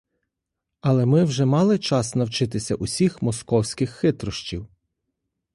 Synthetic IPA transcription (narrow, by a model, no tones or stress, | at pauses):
ɐlˠɛmɪwʒɛmɑlˠɪt͡ʃɑsnɐwt͡ʃɪt̪ɪsʲɐ̰ʔʊsʲixmɔskɔwsʲkɪxːɪt̪ɾɔʃt͡ʃiw